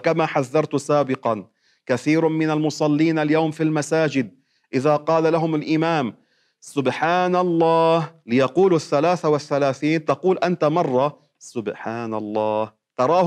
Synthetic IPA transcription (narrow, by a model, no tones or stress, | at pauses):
kamaħaðːɑɾˤt̪saːbɪqɑn | kaθiːɾmɪnalmʊsˤɑlːiːnʔaljawmfilmasaːd͡ʒɪd̪̚ | ʔɪðaqɑːlalaɦʊmalʔɪmaːm | sʊbħaːnalˤːɑːhlɪjɑquːlaθːalaːθawaθːalaːθiːnt̪ɑquːlʔant̪amɑrˤːɑ | sʊbħaːnalˤːɑːh | t̪ɑɾˤɑː